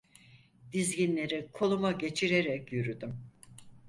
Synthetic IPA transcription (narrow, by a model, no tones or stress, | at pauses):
d̪̥izɟinlʲe̞ɾikʰo̞lˠumaɟe̞t͡ʃʰiɾe̞ɾɛcjyɾyd̪ym